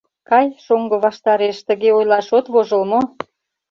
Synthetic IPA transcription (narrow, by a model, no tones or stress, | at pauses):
kɑjʃoŋɡɤ̆βɑʃt̪ɑɾeʃt̪ə̆ɣeojlɑʃot̪βoʒə̆lmo